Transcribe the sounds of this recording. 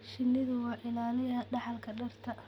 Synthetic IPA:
ʃɪnːɪðʊwɑːʕɪnaːnɪjɐɖɑħɑlkʰɐɖɐrt̪ʰɐ

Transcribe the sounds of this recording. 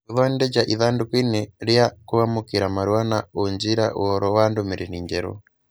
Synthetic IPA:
uðɔnded͡ʒaʔiðaːndukineɾjakuamokiɾamaɾwanaoɲd͡ʒiɾa̰ʔṵhɔɾɔwandomeɾeniːɲd͡ʒɛɾɔ̰

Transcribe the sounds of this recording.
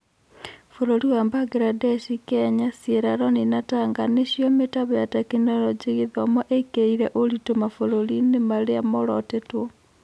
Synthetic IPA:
foɾoɾiwambaɡɾadɛʃikɛɲasjeɾaɾɔninataŋɡaneɕjɔmetaβɛjatakinɔɾɔd͡ʒeɣeðɔmɔʔekeiɾɛʔoɾitomafoɾoɾinemaɾeamoɾɔtetwɔ

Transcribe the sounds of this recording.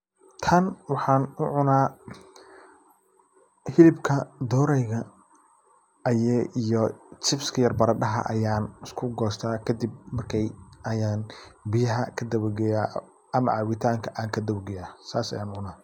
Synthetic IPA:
t̪ʰɐnwɑħɑːnʊʕʊnaː | hɪlɪbkʰɐd̪ɔːɾɛjɣɐ | ɐjɛʔijɔt͡ʃɪfskʰɐjɐrbɐɾɐɖɐɦɐ̰ʔɐ̰jaːnɪskʰʊɡɔːst̪ʰaːkʰɐd̪ib̚mɐrkʰɛjɐjaːnbɪjɐɦɐkʰɐd̪ɐwɡɛjaː | ɐmɐʕaːwɪt̪ʰaːŋkʰɐʔaːŋkʰɐd̪ɐwɡɛjaːsaːsɐ̰jaːnʊʕʊnaː

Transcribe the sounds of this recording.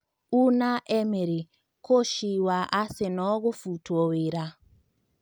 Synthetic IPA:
unaʔɛmeɾi | koʃiwaʔasenɔɣofutwoweɾa

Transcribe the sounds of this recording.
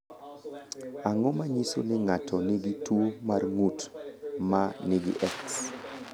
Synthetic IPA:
aŋɔmaɲiso̰nɪŋatʰɔnɪɡitwomarŋutmaneɡɪ̰ʔɛks

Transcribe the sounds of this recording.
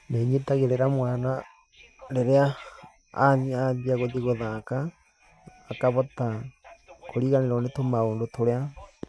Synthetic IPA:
neɲetaɣeɾeɾamwaːna | ɾeɾea | a̰ɲiaðiaɣoðiɣoðaːkaː | kaβɔta | koɾiːɣaneɾɔnetomaoːndotoɾea

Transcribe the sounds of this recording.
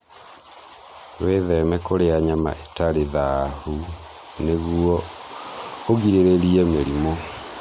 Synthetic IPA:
weðɛmɛkoɾeaɲama̰ʔetaɾeðahu | neɣuɔ | oɣiɾeɾeɾiɛmeɾimo

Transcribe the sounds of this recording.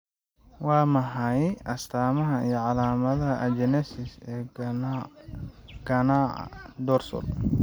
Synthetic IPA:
wɑːmɐɦɐjʔɐst̪ʰaːmɐɦɐijɞʕɑlaːmɐðɐɦɐʔɐd͡ʒɛnɛsɪsɛː | ɡ̥ɐnaːʕɐ̰d̪ɔːrsɔ̰l

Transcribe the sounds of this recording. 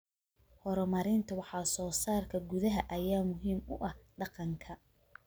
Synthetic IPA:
hɔɾɔmɐɾɪnt̪ʰɐwɑħɑːsɔːsaːrkʰɐɡʊðɐɦɐʔɐjaːmʊɦiːmʊ̰ʔɐhɖɑqɑŋkʰɐ

